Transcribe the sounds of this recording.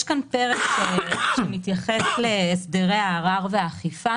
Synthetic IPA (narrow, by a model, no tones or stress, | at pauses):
ʃkanpeʁekʃeʃemit̪jaχesleːsd̪eʁejaːʁaʁveaːχifa